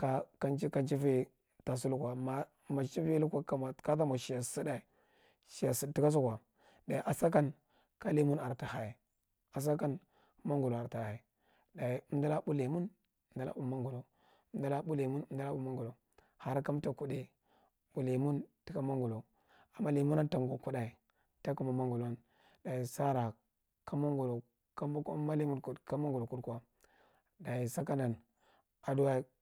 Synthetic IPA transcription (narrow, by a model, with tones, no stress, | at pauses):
ka˦ka˦ka˦nt͡ʃi˦fi˦ | ta˨s̬u˦lu˦kʷa˨ma˨ | ma˨t͡ʃi˦vi˦lu˦kʷa˦ka˨ma˨ka˦ta˦ma˨ʃi˨ja˨si˦da˨i˨ | ʃi˨ja˨si˨˦i˦ka˦s̬u˦kʷa˨ | da˨i˨ʔa˨sa˦ka˦n | ka˦li˦mu˦na˨ɾta˨ha˨ | a˨s̬a˦ka˦n | ma˦ŋɡu˨lo˨a˨ɾta˨ha˨i˨ | da˨i˨u˦m˦da˦la˦bu˦li˨mu˦n˦ | m˦da˦la̰˦bu˦mːa˦ŋɡu˨lo˨˦ | da˦la˦bu˦le˨mu˦n˦mda˦la˦bu˦mːa˦ŋɡu˨lo˨ | ha˦ɾka˦mta˦ku˦de˨ | ɓ̥u˨le˨mu˦nti˦ka˦ma˦ŋɡu˨lo˨ | a˨mːa˦li˨mu˦na˦nta˨ŋɡo˨ku˦da˨i˨ | ta˦ku˦ma˨ma˦ŋɡu˨la˦n | da˨i˨sa˦ɾa˨ | kʰa˦ma˦ŋɡu˨lo˨ | ka˦mbka˦ma˦li˦mu˦nku˨ka˦ma˦ŋɡu˨lo˨ku˦dka˦ | da˨ji˨sa˦ka˦na˨n | a˨du˦wa˦i˦